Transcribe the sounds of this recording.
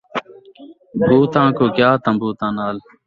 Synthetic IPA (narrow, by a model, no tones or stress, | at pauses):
bʱuːt̪ãːkoːkjaːt̪əmbuːt̪ãːnaːl